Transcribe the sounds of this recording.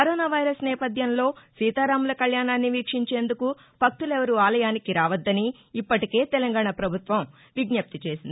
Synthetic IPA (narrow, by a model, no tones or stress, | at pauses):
kɐɾɔːnaːʋɐjɾɐsnɛːpɐd̪ʱjɐnlo̞ːsiːt̪aːɾaːmulɐkɐljaːnaːnːiʋiːkʂiɲt͡ʃe̞ːnd̪uku | b̥ʱɐk̚t̪ulɛʋɐɾuaːlɐjaːnikiɾaːʋɐd̪ːɐniː | pːɐʈike̞ːt̪ɛlɐŋɡaːɳapɾɐbʱut̪ʋɐm | ʋiɡnɐp̚t̪it͡ʃe̞ːsind̪i